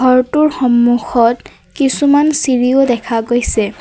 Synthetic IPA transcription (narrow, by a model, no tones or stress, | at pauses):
ɔɹtʊɹxɔmːuxɔt | kisumansiɹiodɛkʰaɡojsɛ